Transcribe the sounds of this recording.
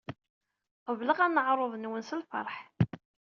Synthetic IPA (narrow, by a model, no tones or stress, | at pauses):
qəvləʁænːəʕɾˤoðˤənwənsəlfɑ̰ɾˤħ